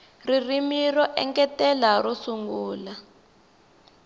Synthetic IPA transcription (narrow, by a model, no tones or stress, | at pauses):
ririmirɔʔɛ̰ŋkɛtɛlarɔsuŋɡuːla